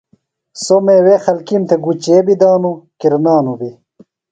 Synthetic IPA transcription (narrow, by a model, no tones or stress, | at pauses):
somewexɐlkimt̪eɡut͡ɕeːbid̪aːnukiɾnaːnubi